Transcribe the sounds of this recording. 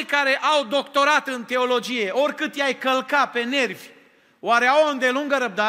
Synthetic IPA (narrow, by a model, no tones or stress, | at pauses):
jkaɾe̞ʔawd̪o̞kt̪o̞ɾat̪ɨnt̪e̞o̞lo̞d͡ʒije̞o̞rʲkɨt̪jajkəlkape̞ne̞rvʲ | waɾe̞awoɨnd̪e̞luŋɡəɾəb̚d̪a